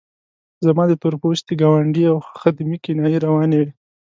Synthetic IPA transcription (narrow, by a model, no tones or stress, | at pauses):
zamɑd̪ət̪ʊɾpoʃt̪eɡɑwaɳɖiawxad̪mikɪnɑjiɾawɑnewi